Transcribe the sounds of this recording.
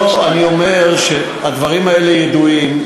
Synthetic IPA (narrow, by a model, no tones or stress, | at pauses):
anio̞me̞ʁʃe | ad̪vaʁimae̞lejed̪uim